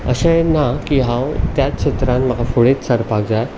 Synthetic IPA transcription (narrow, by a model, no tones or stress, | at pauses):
ə̰ɕãjenakiɦãwt̪jat̪ɕʰet̪ɾãnm̤əɡafoɭet̪səɾpaɡ̚d͡zaj